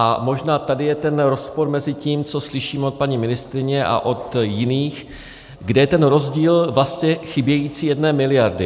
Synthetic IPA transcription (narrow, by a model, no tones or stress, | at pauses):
ʔamo̞ʒnaːt̪adɪjɛt̪ɛnɾo̞spo̞ɾmɛzɪciːmt͡so̞slɪʃiːmɛot̪̚paɲimɪnɪst̪ɾɪɲɛʔa̰ʔo̞t̪jɪniːx | ɡdɛjɛt̪ɛnɾo̞zɟiːlvlast̪ɲɛxɪbjɛjiːt͡siːjɛdnɛːmɪlɪjaɾdɪ